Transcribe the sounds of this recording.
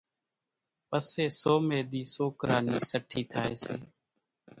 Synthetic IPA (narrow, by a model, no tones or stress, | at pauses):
pəseːsoːmeːɗ̪iːsoːkəɾaːniːsəʈʰiːt̪ʰaːeːseː